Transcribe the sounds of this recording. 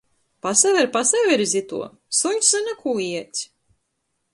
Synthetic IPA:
pasavɛɾpasavɛɾzʲit̪ṵɔ | suɲʲszɨnʲakuːiɛt̪ʲsʲ

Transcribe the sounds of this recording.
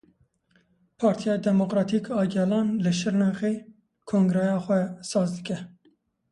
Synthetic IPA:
pʰɑːɾt̪ʰijɑːd̪ɛmokɾɑːt̪ʰiːkɑːɡɛlɑːnlɨʃɨɾnɑɣeː | kʰoːŋɡɾɛjɑːxʷɛsɑːzd̪ɨkʲɛ

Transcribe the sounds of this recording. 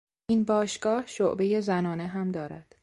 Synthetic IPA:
ʔinbɒːʃɡ̥ɒːhʃoʔbe̞je̞zænɒːneɦæmd̪ɒːɾæ̰d̪̥

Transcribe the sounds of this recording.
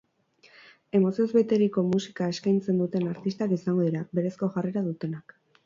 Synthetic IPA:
e̞mo̞sio̞zβe̞t̪e̞ɾiko̞musi̥kae̞skajnt͡se̞nd̪ut̪e̞naɾt̪ist̪akisaŋɡo̞ðiɾabe̞ɾe̞sko̞ʝareɾaðut̪e̞nak

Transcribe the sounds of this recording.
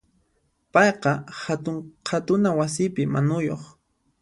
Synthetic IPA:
pɑjqɑhat̪ʊɴqʰat̪ʊnawas̬ɪpɪmanʊjo̰χ

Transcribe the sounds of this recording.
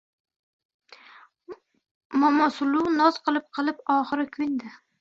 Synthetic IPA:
mɒmɒsʊlunɒzqʰɨlˠɪp̚qʰɨlˠɪpɒχɨɾɪkʲʰʊjnd̪a

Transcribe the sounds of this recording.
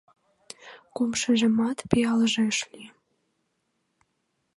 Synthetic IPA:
kumʃə̆ʒə̆mɑt̪piɑləʒĕʃli

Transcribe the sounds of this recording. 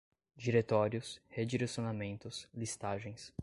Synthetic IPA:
d͡ʒiɾet̪ɔɾjʊshed͡ʒiɾesjonamẽnt̪ʊslist̪aʒẽj̃s

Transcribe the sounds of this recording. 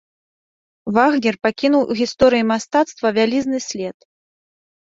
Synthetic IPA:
vaɣnʲɛrpakʲinuwʔuɣʲist̪ɔɾɨjimast̪at̪st̪vɐvʲalʲiznɨsʲlʲɛt̪

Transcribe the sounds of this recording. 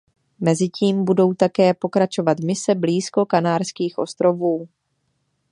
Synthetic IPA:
mɛzɪciːmbudo̞wt̪akɛːpo̞kɾat͡ʃo̞vat̪mɪsɛbliːsko̞kanaːɾskiːxʔo̞st̪ɾo̞vuː

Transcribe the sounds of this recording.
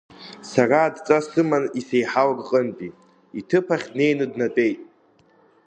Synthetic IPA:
saraːdt͡sʼasɨmanisejħawrqʼəntʼi | itʰɨpʰaχʲdne̞jnɨdnatʼe̞jtʼ

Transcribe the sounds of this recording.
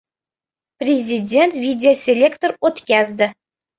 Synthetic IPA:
prʲezʲidʲent̪vʲidʲɪosʲelʲekt̪orot̪kʲæzʲd̪ʲɘ̆

